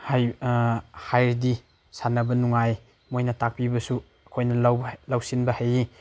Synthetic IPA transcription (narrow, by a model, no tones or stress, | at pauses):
haj | hajɾdi | sanɐbɐnuŋaj | mojnɐtak̚pibɐsu | ɐkʰojnɐlawblawsinbɐhaji